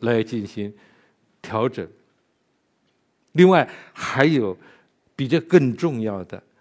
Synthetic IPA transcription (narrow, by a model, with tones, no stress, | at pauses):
la˧˥ɪt͡ɕi˥˩nɕi˧˥ŋ | t̪ʰjɑ˧˥ʊʈ͡ʂɤ˨˩ŋ | li˥˧ŋwa˥˩ɪxa˧˥ɪjo˨˩ʊ | pi˨˩ʈ͡ʂɤ˥˧kə˥˧ŋʈ͡ʂʊ˥˧ŋjɑ˥˩ʊd̪ə̰˩